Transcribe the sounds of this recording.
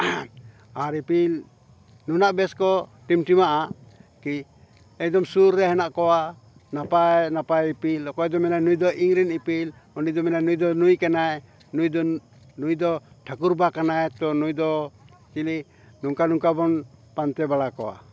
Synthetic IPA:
aɾipil | nunaʔbɛskɔʈimʈimaʔaki | ɛk̚d̪ɔmsuɾːɛɦɛnaʔkɔwa | napajnapajipilɔkɔjd̪ɔmɛnajnujd̪ɔʔiŋɾinipil | ɔnid̪ɔmɛnanujd̪ɔnujkanaj | nujd̪ | nujd̪ɔʈʰakuɾbakanajt̪ɔnujd̪ɔt͡ʃili | nuŋkanuŋkabɔnpant̪ɛbaɽakɔwa̰

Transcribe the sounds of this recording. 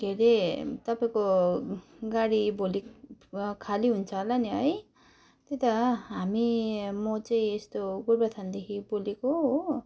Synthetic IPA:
ɡʱeɾet̪ʌpaĩko | ɡaɽiboli | kʰaliɦunt͡sʰʌlaniɦʌj | t̪et̪aɦamimʌt͡saĩest̪oɡuɾbat̪ʰand̪ekʰiboleko

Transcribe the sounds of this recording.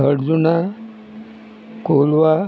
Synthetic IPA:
əɽd͡zuna | kolʋa

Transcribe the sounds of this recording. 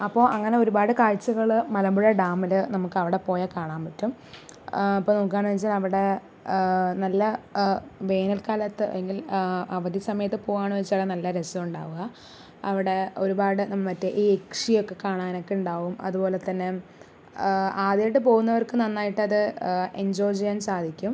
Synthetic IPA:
ɐpːo̞ːʔɐŋːɐne̞o̞ɾubaːɽɨkaːɻt͡ɕːɐɣɐɭmɐlɐmbuɻɐɖaːmɐlɨnɐmukːɐʋiɽe̞po̞ːjɐkaːɳaːnpɐtːum | ɐpːoːnoːk̬ːaːɳɨʋɐt͡ɕːalɐʋiɽe̞ | nɐlːɐ | ʋe̞ːnɐlkaːlɐt̪ːɨɐ̰eŋɡilɐʋɐd̪ʱjisɐmɐjɐt̪ːɨpo̞ːɣaːɳɨʋet͡ɕːaɽenɐlːɐɾesuuɳɖa̰ːʋuɣɐ | ɐʋiɽe̞o̞ɾubaːɽɨnɐmːɐɐtːeʔiːekʂijo̞kːe̞kaːɳaːno̞kːe̞uɳɖaːʋumɐ̰ðubo̞ːle̞t̪ːɐnːe | aːd̪jɐʈːɨp̬o̞ːɣunːɐʋɐrkɨnɐnːaːjiʈːɨɐðɨʔeɲd͡ʑoːd͡ʑijaːnsaːd̪ʱikʲːum

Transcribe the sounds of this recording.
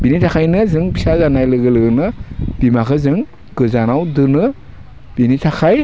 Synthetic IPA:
b̥initʰakʰajnɯzɯŋbisazanajlɯɡɯlɯɡɯnɯb̥imakʰɯzɯŋ | ɡ̥ɯzanawdɯnɯ | b̥initʰaxʰaj

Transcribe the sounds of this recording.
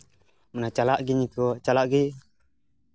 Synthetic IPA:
mənat͡ʃalaʔɡiɲikut͡ʃalaʔɡi

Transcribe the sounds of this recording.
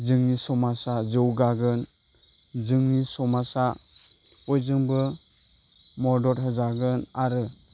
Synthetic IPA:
zɯŋnisɔmasazɯwɡaɡɯn | zɯŋnisɔmasa | ɔjzɯŋbɯ | mɔɾdɔɾɦɯzaɡɯnaɾɯ

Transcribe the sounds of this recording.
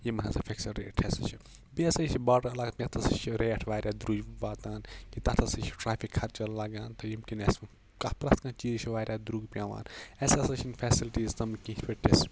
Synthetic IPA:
jimɐnã̰zɐfʰʲeksɐɾḛːʈʰesɐt͡ʃʰi | biːsɐt͡ʃʰibaːʈɐɐlaɡt̪ʲɐt̪ʰɐsɨt͡ʃʰiɾeːɐʈʰʋaːɾʲjaːd̪ɾuːd͡ʒʋaːt̪aːnkit̪ɐt̪ʰɐsɨt͡ʃʰi̥ʈɾaːpʰikʰːɐɾt͡ʃɐllɐɡaːnt̪ɐjimkines | kɐpɾɐt̪kãːt͡ʃiːzt͡ʃʰiʋaːɾʲjaːd̪ɾuːɡpʲjãːʋa̰ːnɛsɐsɐt͡ʃʰinfʰɛːsilʈiːzt̪ɐmkĩt͡ʃʲpʰʲeʈes

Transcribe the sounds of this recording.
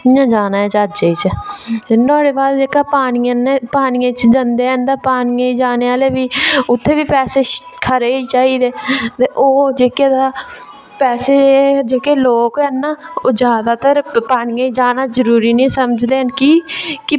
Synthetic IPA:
ãːd͡ʒaːnaːet͡ʃad͡ʒeːiːt͡ʃənɔːɽeːbaːd̪d͡ʒeːkaːpaːnijãːnːpaːnɪjãːt͡ʃd͡ʒənd̪eːənd̪aːpaːnɪjãːiːd͡ʒaːneːaːleːʋiːʊt̪ʰːeːʋiːpɛːseː | kʰəɾeːiːt͡ʃaːiːd̪eːt̪eʔoːd͡ʒeːkeːd̪aː | pɛːseːd͡ʒeːkeːloːkɛnːaːod͡ʒjaːd̪aːt̪əɾpaːnɪjãːiːd͡ʒaːnaːzəɾuːɾiːnĩːsəməd͡ʒd̪eːənkiːkɪ

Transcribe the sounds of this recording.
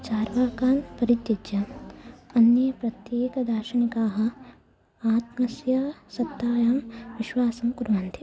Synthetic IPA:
t͡ʃaːɾʋaːkaːnpɐɾit̪ːjɐd͡ʒjɐ | ɐnjɐpɾɐt̪jeːkɐd̪aːʃɐnikaːɦɐ̆ | aːt̪mɐsjɐsɐt̪ːaːjaːmʋɪʃʋaːsɐmkuɾʋant̪ʰi

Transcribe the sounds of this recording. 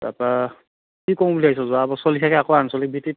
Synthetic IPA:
a̰pa | kikɔw̃buliajs̬ɔzuaːbasɔlikʰakɛakoansɔlik̚bʱitit

